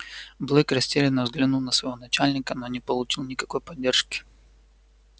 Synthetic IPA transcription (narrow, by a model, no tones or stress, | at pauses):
blˠɨkɾɐsʲtʲelʲɪnːəvzɡlʲɪnulˠnəsvɐjvonɐt͡ɕælʲnʲɪkənonʲɪpəlˠʊt͡ɕilˠnʲɪkɐko̞jpɐdʲːe̞rʂkʲɪ̥